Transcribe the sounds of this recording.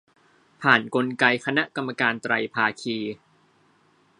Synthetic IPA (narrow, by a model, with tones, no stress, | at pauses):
pʰaː˨˩nko˧nka˧jkʰa˧na˦˥ʔka˧mːa˧kaː˧nt̪ɾa˧jpʰaː˧kʰiː˧